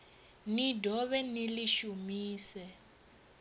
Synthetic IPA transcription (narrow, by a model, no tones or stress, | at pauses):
nidʱɔβɛniliʃumiːsɛ